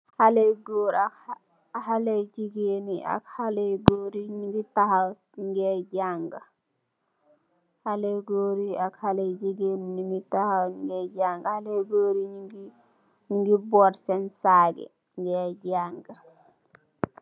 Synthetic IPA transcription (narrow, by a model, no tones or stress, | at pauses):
halɛjɡoːɾa | halɛjd͡ʒiɡeniʔa̰khalɛjɡoɾiɲiŋɡitahawŋɡɛd͡ʒaŋɡa | halɛjɡoɾiakhalɛjd͡ʒiɡeniɲiŋɡitahawŋɡɛd͡ʒaŋɡahalɛjɡoːɾiɲiŋɡi | ɲŋɡibɔɾsɛnsaːɡɛ̰ | ŋɡɛd͡ʒaŋɡa